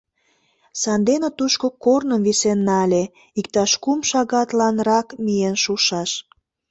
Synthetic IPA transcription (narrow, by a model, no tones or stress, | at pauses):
sɑnd̪enĕt̪uʃkokornəmvisenːɑlʲe | ik̚t̪ɑʃkumʃɑɣɑt̪lɑnrɑkmijenʃuʃɑʃ